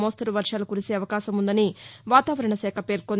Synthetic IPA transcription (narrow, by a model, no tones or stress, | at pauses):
moːst̪ɐɾuʋɐɾʂaːlukuɾise̞ːɐʋɐkaːʃɐmund̪ɐniʋaːt̪aːʋɐɾɐɳɐsɛːkʰɐpe̞ːɾkon